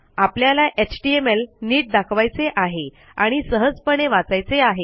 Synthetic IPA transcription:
apljalaʔet͡ɕʈiemelniːʈ̚d̪akʰʋajt͡seʔaɦe | aɽ̃isəɦəd͡zpəɽ̃eʋat͡sajt͡seaɦe

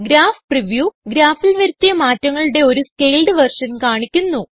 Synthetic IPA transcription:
ɡɾaːfpriʋjuːɡɾaːfilʋɐɾut̪ːijɐmaːtːɐŋːɐɭuɽe̞o̞ɾuske̞jlɖɨʋɐrʂɐnkaːɳikʲːunːu

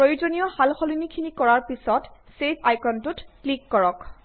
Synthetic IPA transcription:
pɹojud͡ʒonijɔhalxɔlinikʰinikɔɹaɹpisɔt | sepʰajkɔntutklikːɔɹɔk

